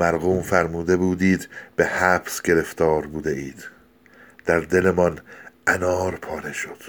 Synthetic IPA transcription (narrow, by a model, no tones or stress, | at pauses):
mæɾɣuːmfæɾmuːd̪e̞buːd̪iːd̪b̥e̞hæbsɟe̞ɾe̞ft̪ɒːɾbuːd̪eʔiːd̪̥ | d̪̥æɾd̪e̞lemɒnʔænɒːɾpʰɒːɾe̞ʃod̪̥